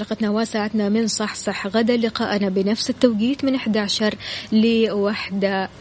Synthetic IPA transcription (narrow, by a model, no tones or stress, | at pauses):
ɾɑqɑt̪nawaːsaːʕat̪namɪnsˤɑħsˤɑħɣad̪alɪqa̰ːʔnabɪnafsɪt̪ːawɡiːd̪mɪnʔɪħd̪aʕaʃɑɾˤlɪwaħd̪a